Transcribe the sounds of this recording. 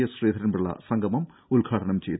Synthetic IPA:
ɐsriːd̪ʰʱɐɾɐnbɐɽɭːɐ̰sɐŋɡɐmɐm | ulɡʰʱaːʈʰɐɳɐmt͡ɕejt̪ː

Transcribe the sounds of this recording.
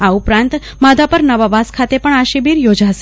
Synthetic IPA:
aupɾãnt̪ | mad̪ʱapəɾnəʋaʋaskʰat̪epəɳaʃibiɾjod͡ʒaʃ

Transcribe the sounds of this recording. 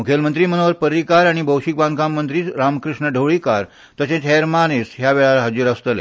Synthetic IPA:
mukʰelmənt̪ɾiːmənoʋəɾpəɾikaɾaɽ̃ibʱəwɕik̚bãŋkamːənt̪̬ɾiːɾamkɾiʂɳəɖʱewɭikaɾ | t̪əsẽt͡sɦeɾmanesɦjaʋeɭalaɦəd͡ziɾəst̪əlḛ

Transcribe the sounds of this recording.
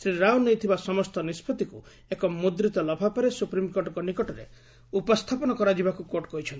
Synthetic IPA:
sɾiɾawnejt̪ʰibasɔmɔst̪ɔnispʰɔt̪iku | ekɔmud̪ɾit̪ɔlɔbʱapɔɾesupɾimkoɾɖɔkɔnikɔʈɔɾḛ | upɔst̪ʰapɔnɔkɔɾad͡ʒibakukoʈɔkɔɦit͡ʃʰɔnt̪i̥

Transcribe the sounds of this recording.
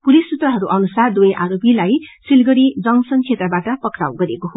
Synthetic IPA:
pulisːut̪rʌɦʌɾuʔʌnusard̪wojʔaɾopilajsilɡʌɾid͡zʌŋsʌnt͡sʰet̪rʌbaʈʌpʌkra̰wɡʌɾekoɦo

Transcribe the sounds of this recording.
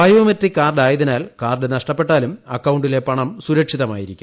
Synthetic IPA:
bɐjomɐt̪rikːaːrɖaːjɐðinaːlkaːrɖɨnɐʂʈɐpːe̞ʈːaːlumɐkːɐwɳɖile̞pɐɳɐmsuɾɐkʂiðɐma̰ːjiɾikʲːumm

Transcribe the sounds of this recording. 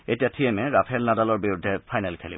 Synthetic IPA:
etijatʰiɛmɛɹapʰɛlnadalɔɹbiɹudʱːɛpʰajnalkʰelḭ

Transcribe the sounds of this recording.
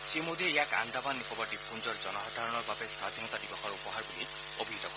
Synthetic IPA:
simod̪ieeaka̰nd̪abanːipʰɔbaʈipund͡ʒɔɾd͡ʒɔnɔɦad̪ʱaɾɔɽ̃ɔɾbabesad̪ʱinɔt̪adibɔkʰɔɾupɔɦaɾbuli | obʱiɦit̪ɔkɔ

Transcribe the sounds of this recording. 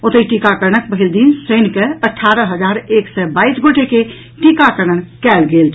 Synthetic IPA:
ot̪əiʈikakəɾɳ̃ək̚pəɦild̪insənkeəʈʰːaɾəɦəd͡ʒaɾeksɛbaisɡoʈeke | ʈikakəɾənkɛlɡelt͡ʃʰ

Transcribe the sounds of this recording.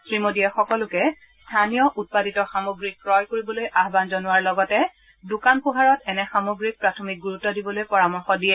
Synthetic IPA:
sɹimodiɛxɔkɔlʊkɛ | stʰanijɔʔut̚paditɔxamoɡɹik̚pɹɔjkoɹibɔlojʔaɦbanzɔnʊwaɹlɔɡɔtɛ | dʊkanpʊɦaɹɔtɛnɛxamoɡɹik̚pɹatʰɔmik̚ɡuɹutːɔdibɔlojpɔɹamɔɹxɔdiɛ

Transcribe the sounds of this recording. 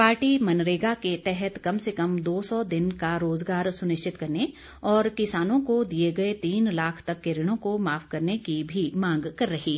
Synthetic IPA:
paːɾʈimɐnɾeːɡaket̪ɛɦɛt̪kɐmsekɐmd̪oːsɔd̪ɪnkaɾoːzɡaːɾsʊnɪʃt͡ʃɪt̪kɐɾne | ɔːɾkɪsaːnõkod̪ieɡɐet̪iːnlaːkʰt̪ɐkːeɾɪɽ̃õkomaːfkɐɾnekibʱimãːŋɡkɐɾːɐɦi

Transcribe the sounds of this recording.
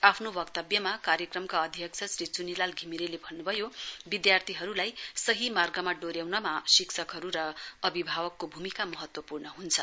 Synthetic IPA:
apʰnobʌkt̪ʌbjʌmakaɾjʌkrʌmkaʌd̪ʱjʌk̚t͡sʰʌsɾit͡sunilalɡʱimiɾelebʱʌnːubʱʌjobid̪jart̪ʰiɦʌɾulajsʌɦimarɡʌmaɖoɾjawnʌmasiksʰʌkɦʌɾuɾʌʌbibʱawʌkːobʱumikamʌɦʌt̪wʌpurnʌɦunt͡sʰʌ

